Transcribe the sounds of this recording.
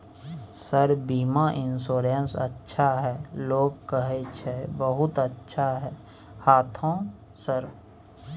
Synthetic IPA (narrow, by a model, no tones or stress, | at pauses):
səɾbiːmaʔɪnsoːɾeənsə̰tːʃʰaɦɛːloːɡ̚kəɦet͡ʃʰebəɦʊt̪ətːʃʰaɦɛːhaːt̪ʰõː | səɾ